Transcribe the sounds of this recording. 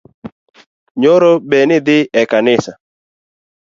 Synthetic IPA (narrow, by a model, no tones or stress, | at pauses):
ɲoɾobɛnɪd̪ɪɛkanɪsa